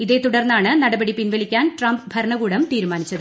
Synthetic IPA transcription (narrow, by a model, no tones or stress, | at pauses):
iðe̞ːt̪uɽɐrnːaːɳɨnɐɽɐbɐɽipinʋɐlikʲːaːnʈrɐmbbʱɐɾɳɐɣuːɽɐmt̪iːɾumaːnit͡ɕːɐðɨ